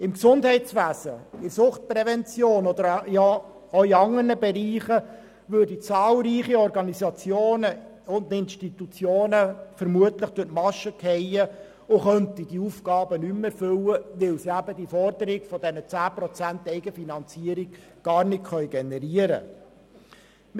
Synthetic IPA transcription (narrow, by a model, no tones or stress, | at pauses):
ɪmksʊndhɛɪtt͡sʋæːsəɪɾsʊχt̚pɾɛvɛnt͡sjoːnɔd̪əɾjɑ | oɪɑŋərnəbɛɾiːχə | ʋøːɾdit͡sɑːlɾiːχiɔɾɡɑnisɑt͡sjoːnə | ʊnd̪ɪnʃtit̪ut͡sjoːnəfəɾmuətləχd̥ʊtmɑʃəkʰhɛjə | ʊχœnt̪id̥iufɡ̥ɑːbənymɛɾfʏləʋɪlsiæbədifɔrdəɾɪɡ̥fɔd̥ɛnət͡sæːpɾɔt͡sænt̪ɛɪɡəfinɑnt͡siəɾiɡ̥ | ɡ̥ɑːɾnɪtχœʏɡɛnɛɾiəɾə̰